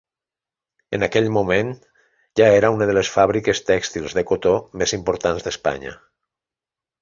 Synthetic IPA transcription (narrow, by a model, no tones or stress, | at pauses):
ənakɛʎmumen | ʒaeɾaunəðələsfaβɾikəst̪ɛkst̪ilˠzðəkot̪omezimpoɾt̪anzðəspa̰ɲə̰